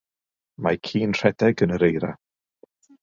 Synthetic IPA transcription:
makʰiːnr̥ɛdɛɡənəɾejɾa

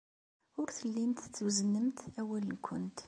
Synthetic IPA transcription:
ʊɾθəlːimt̪t͡sːuzənːəmt̪æwælənkʷʰʊnt̪

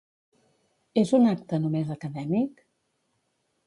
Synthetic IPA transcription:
ezunak̚t̪ənumezəkəðɛmik

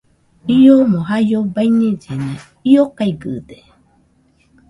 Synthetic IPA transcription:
iomoɦajjobaiɲed͡ʒenã | iokaiɡɯd̪e

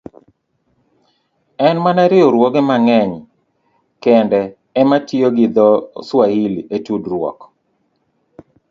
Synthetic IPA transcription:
ɛnmanaɾɪoɾwɔɡɛmaŋɛɲ | kɛndɛː | matioɡɪd̪ɔswahiletudɾwɔ̰k

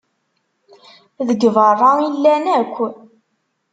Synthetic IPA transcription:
ðəɡvərˤːɑilːænækʷː

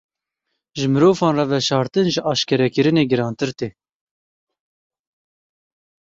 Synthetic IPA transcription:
ʒɨmɨɾoːvɑːnrɑvɛʃɑːɾt̪ɨnʒɨʔɑːʃkɛɾɛkɨɾɨneːɡɨɾɑːnt̪ɨɾt̪eː

